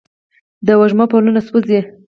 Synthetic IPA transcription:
d̪awaʒmapalunaspuze

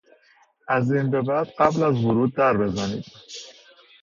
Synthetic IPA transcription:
æziːnbe̞bæd̪̥ɢæblæzvʊɾuːd̪̚ːæɾbe̞zæniːd̪̥

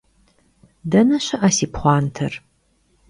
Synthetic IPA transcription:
dɐnɐɕɐʔɐsiːpχʷɑːntʰɐr

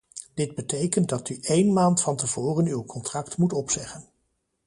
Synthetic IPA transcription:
d̥ɪd̚bətejkənt̚dɑtyʔejnmaːntfɑntəv̥ʊːrənywkɔntrɑktmutɔpsɛχən

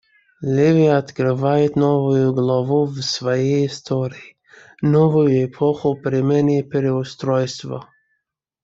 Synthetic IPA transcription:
lʲɛvijaɔt̪kɾɪvajɛt̪nɔvʊjuɡlˠavuvsvɔjɛist̪ʰɔɾii | nɔvʊjʊɛpʰɔxʊpɾimɛnipɾɛʊst̪ɾɔjst̪vɔ̰

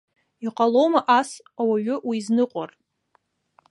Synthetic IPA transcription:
iqʼalo̞wmaʔas | awaʒʊwiznɨqʷʼa̰r

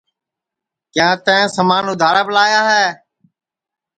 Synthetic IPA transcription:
kjãːt̪ɛ̃ːsəmaːnʊd̪ʱaːɾaːbəlaːjaːɦɛː

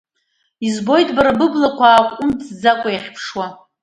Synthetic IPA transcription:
izbo̞jtʼbaɾabɨblakʷʰaːkʷʼʊmt͡sʰʼd͡zakʷʼajaχʲpʰʂwa

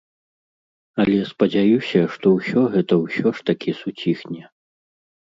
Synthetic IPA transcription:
ɐlʲɛspɐd͡zʲajusʲɐʂt̪ɔwsʲɔɣɛt̪ɐwsʲɔʂt̪akʲisut͡sʲixnʲɛ

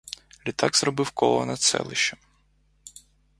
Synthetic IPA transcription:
lʲit̪ɑɡz̥rɔbɪwkɔlˠɔnɐt̪sɛ̰lˠɪʃt͡ʃɐ

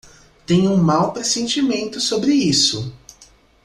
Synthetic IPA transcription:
t̪ẽɲũmawpɾesẽnt͡ʃimẽnt̪ʊsobɾɪisʊ

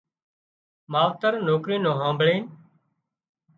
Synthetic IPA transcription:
maːʋt̪əɾnoːkɾiːnõːɦãːmbʱɭeː

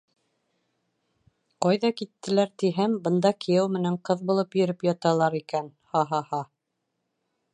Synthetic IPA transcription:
qɑjðɑkit̪ːɘ̆læɾt̪iɦæmbɤ̆nd̪ɑkʰijæwmɘ̆næɴqɤðbulˠɤpjɵ̆ɾɘpjɑt̪ɑlˠɑɾikænhɑɦɑhɑ

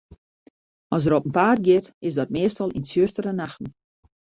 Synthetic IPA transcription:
ɔs̬əɾopən̩paːrɡjɪtɪsdɔt̚meːstɔlˠinsjøstəɾənaxtn̩

